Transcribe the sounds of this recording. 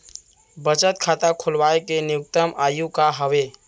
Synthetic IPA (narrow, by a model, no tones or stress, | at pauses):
bət͡ʃət̪kʰat̪akʰulbaekenijukt̪əmʔajukaɦəβe